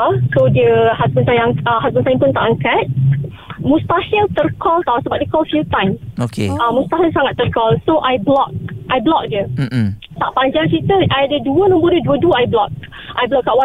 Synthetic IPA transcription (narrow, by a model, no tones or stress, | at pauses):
sodiəhasbənsajaəɦazbənsajə̃npʊnt̪aʔaŋkat̪̚ | mũst̪ahilt̪ərkʰɔlt̪awsəbap̚dekɔlfilt̪ãjmokḛãmũst̪aɦilsaŋat̪ːərkɔlsoʔajblɔk̚ʔajblɔk̚diə | t̪aʔpaɲd͡ʒaŋt͡ʃit̪əʔajadəduənɔ̃mbɔdiəduəduəajblɔk̚ | ʔajblɔk̚kːaʔwa